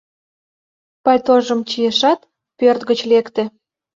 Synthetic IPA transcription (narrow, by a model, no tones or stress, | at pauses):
pɑjt̪oʒə̆mt͡ɕieʃɑt̪ | pørt̪ɣət͡ɕlekt̪ĕ